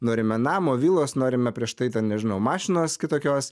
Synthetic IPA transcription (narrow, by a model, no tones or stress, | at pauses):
noːɾʲɪmʲɛnɑːmoːʋʲiːlˠoːsnoːɾʲɪmʲɛpʲɾʲiɛʃt̪ɐɪt̪ʲɛnnʲɛʒʲɪnɐʊmɑːʃʲɪnoːskʲɪt̪oːkʲoːs